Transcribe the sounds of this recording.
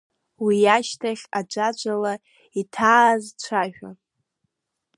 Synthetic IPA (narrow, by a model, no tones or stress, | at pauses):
wijaʃtʰaχʲad͡ʒʷʰʼat͡ʃʷʰʼala | itʰaːzt͡ʃʷʰaʒᶣa̰